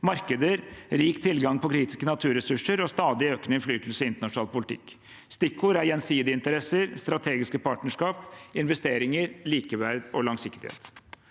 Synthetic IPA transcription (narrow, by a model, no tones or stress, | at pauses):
mɑɾkəd̪əɾɾiːkt̪ʰɪlɡɑŋpʰɔkʰɾiːt̪ɪ̥skənɑt̪ʰʉːɾɛsʉʂəɾɔst̪ɑːd̪ɪøːknəɪnflyːt̪l̩sɪnt̪əɳɑʂʊnɑːlpʰʊlt̪ʰɪ̰kː | st̪ɪkʰːʊɾæɾjɛnsiːd̪əɪnt̪əɾɛsəɾst̪ɾɑt̪ʰeːɡɪskəpʰɑːʈnəʂkɑːpɪnʋɛst̪eːɾɪŋəɾliːkəʋæɾd̪ɔlɑŋsɪkt̪ɪhḛːt̪